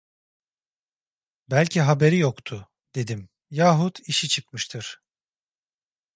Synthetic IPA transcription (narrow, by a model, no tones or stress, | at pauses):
bælʲcʰiɦabe̞ɾijokt̪ʰʊ | d̪̥e̞d̪im | jaːɦut̪iʃit͡ʃʰɯkmɯʃt̪ʰɯɾ̥